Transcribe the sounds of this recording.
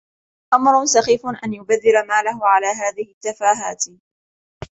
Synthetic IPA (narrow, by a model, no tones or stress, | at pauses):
ʔamɾˤʊnsɑxiːfʊnʔanjʊbaðːɪlamaːlahʊʕalaːɦaːðɪhɪt̪ːafaːɦaːt̪